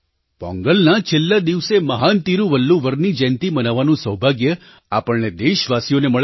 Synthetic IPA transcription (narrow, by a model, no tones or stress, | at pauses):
bɔ̰̃ŋɡəlnat͡ʃʰelːad̪iʋseməɦant̪iɾũʋəlːuʋəɾnid͡ʒɛ̃nt̪ibənaʋanũsəɦbʱaɡjə | apəɳned̪eʃʋasijoneməɭ